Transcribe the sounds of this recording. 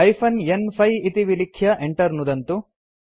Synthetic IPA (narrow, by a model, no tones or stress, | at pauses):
ɐjpʰɐnenpʰɐjit̪iʋilikʰjɐʔeɳʈɐɾnud̪ɐnt̪u